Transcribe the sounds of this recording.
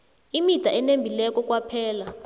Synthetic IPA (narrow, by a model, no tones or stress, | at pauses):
imid̥ʱaʔɛnembʱilɛk̬ʼɔk̬ʼwapʰɛːla